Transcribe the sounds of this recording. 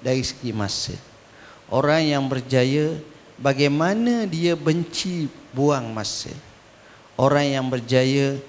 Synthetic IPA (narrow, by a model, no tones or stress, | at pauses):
daɾisə̥ɡima̰sə̰ | ʔoɾaŋjaŋbərd͡ʒajə | baɡajmanadiabəɲt͡ʃibuaŋmasə̰ | ʔoɾaŋjaŋbərd͡ʒajə